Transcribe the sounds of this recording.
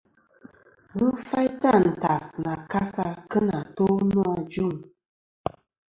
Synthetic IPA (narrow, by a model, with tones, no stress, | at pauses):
ɣə˦fa˦jta˦˨n̩˨ta˨sna˨ka˦sa˦kə˦na˨to˦nu˦a˨d͡ʒu˦˨ŋ